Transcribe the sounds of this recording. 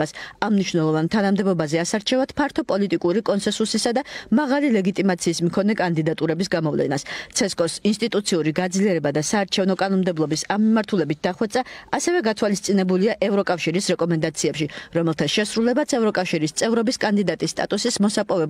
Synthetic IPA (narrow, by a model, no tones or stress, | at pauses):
asamniʃvnɛlˠɔvant̪ʰanamd̪ɛbɔbazɛasaɾt͡ʃʰɛvat̪pʰaɾt̪ʰɔpʼɔlit̪ʼikʼuɾikʼɔnsɛnsusisad̪amaʁalilɛɡit̪ʼimat̪sʰiːsmkʰɔnɛkʼand̪id̪at̪ʼuɾɛbisɡamɔvlɛ̰nast̪sʰɛskʼɔsinst̪ʼit̪ʼut̪sʰiuɾiɡad̪zliɛɾɛbad̪asaːɾt͡ʃʰɛvnɔkʼanɔnmd̪ɛblˠɔbisamːimaɾt̪ʰulɛbit̪̚d̪aχwɛt̪sʼaːsɛvɛɡat̪ʰwalist̪sʼinɛbuliaʔɛvɾɔkʼafʃiɾisɾɛkʼɔmɛnd̪at̪sʰiɛpʃiɾɔmɛlˠt̪ʰasʃɛsɾulɛbat̪sʰɛvɾɔkʼafʃiɾist̪sʼɛvɾɔbiskʼand̪id̪at̪ʼisːt̪ʼa̰t̪ʼusismɔsapʼɔvɛb